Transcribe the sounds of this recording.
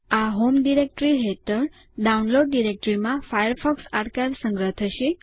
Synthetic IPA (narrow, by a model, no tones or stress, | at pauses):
aɦomɖiɾek̚ʈɾiɦet̪əɾ | ɖaunloɖːiɾek̚ʈɾimãfajəɾfɔksaʈkajʋsə̃ŋɡɾəɦt̪ʰəʃe